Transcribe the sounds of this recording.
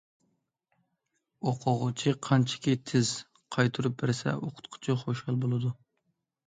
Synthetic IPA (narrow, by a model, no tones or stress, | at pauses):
oqʰʊʁʊt͡ʃʰiqʰɑnt͡ʃʰɪ̥kʲit̪ʰɪz̥ | qʰɑjt̪ʰuɾup̚bɪɾɪsɛ̰oqʰʊ̥t̪qʰʊ̥t͡ʃʰiχoʃhɑlˠbolˠɨd̪u